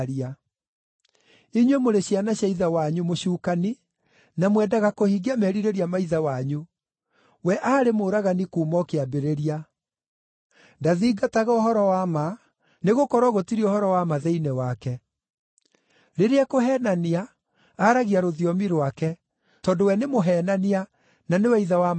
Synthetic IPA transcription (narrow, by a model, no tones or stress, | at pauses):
ɾia | iɲwemoɾeɕianaɕaiðawaɲumoɕuːkani | namwɛːdaɣakohiɡeamɛɾiɾeɾiamaiðawaɲu | wɛʔaːɾemoːɾaɣanikuːmɔkeabeɾeɾia | ndaðiːɡataɣaohɔɾɔwama | neɣokɔɾɔɣotiɾiohɔɾɔwamaðɛinɛwakɛ | ɾeɾeɛkoɦɛːnaniaː | ɾaɣiaɾoðiɔmiɾwakɛ | tɔːndowɛnemoɦɛnania | nanewɛiðawa